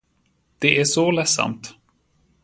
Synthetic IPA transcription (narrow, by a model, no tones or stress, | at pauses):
d̪̥ɛʔæʂɔlɛsːa̰mt̪